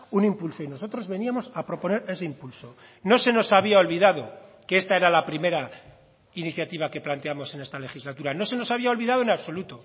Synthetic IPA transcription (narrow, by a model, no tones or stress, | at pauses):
unimpulso̞ino̞so̞t̪ɾo̞zβe̞niamo̞sapɾo̞po̞ne̞ɾe̞se̞impulso̞ | no̞se̞no̞saβiao̞lβiðaðo̞kee̞st̪ae̞ɾalapɾime̞ɾa | iniθjat̪iβake̞plant̪eamo̞se̞ne̞st̪ale̞xizlat̪uɾano̞se̞no̞saβ̞iao̞lβiðaðoenaβso̞lut̪o̞